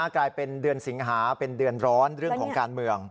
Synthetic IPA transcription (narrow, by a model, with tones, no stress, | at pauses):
klaː˧jpe˧ndɯ˧ənsi˩˦ŋɦaː˩˦pe˧ndɯ˧ənɾɔː˦˥nɾɯ˥˩əkʰɔː˩˦ŋkŋkaː˧nmɯ˧əŋ